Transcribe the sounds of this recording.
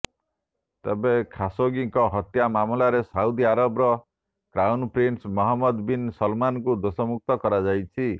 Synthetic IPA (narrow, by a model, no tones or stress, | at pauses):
t̪ebẽkʰasoɡiŋkɔɦʌt̪jamamulaɾesaud̪iaɾɔbɾɔ | kɾawnpɾinʈsmɔɦɔmːɔd̪binsʌlmankud̪osɔmuk̚t̪ɔkɔɾad͡ʒajt͡ʃʰi